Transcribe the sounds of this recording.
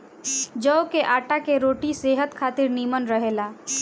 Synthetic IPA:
d͡ʒəokeʔaːʈakeɾoːʈiseːɦət̪kʰaːt̪ɪɾniːmənɾəɦeːlaː

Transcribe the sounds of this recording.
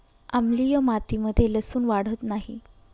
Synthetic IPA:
amlijəmat̪iməd̪ʱːjeləsuːnʋaɽ̤ət̪naɦi

